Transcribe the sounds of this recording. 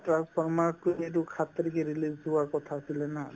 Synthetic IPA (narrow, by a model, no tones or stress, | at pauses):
tɹakpʰɔɹmaɹk̚kojet̬ukʰat̪ːɔɾikɛɹilizuaɹkɔt̪ʰaːsilɛna